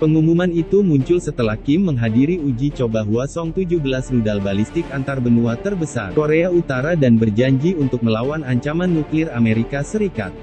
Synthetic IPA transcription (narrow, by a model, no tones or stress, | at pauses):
pəŋumumanit̪umuɲt͡ʃʊlsət̪əlahkɪmːəŋɦadiɾiud͡ʒit͡ʃobaɦuasɔŋt̪ud͡ʒuhbəlasnudalbalist̪ɪkant̪arbənuat̪ərbəsa̰rkoɾeaut̪aɾadanbərd͡ʒaɲd͡ʒiunt̪ʊk̚məlawanaɲt͡ʃamanːuklɪrameɾikasəɾika̰t̪̚